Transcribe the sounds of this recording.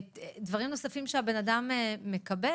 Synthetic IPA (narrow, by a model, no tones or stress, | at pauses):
dvaʁimno̞safimʃeabe̞nadameːe̞kabe